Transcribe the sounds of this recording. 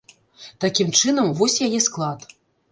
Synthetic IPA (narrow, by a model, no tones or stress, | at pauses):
t̪akʲimt͡ʂɨnɐmvɔsʲjajɛsklˠat̪